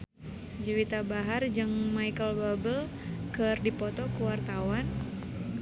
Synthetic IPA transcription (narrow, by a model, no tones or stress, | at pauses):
d͡ʒəwit̪abaɦard͡ʒɨŋmaikəlbabəl | kɨrdipɔt̪ɔkuwart̪awan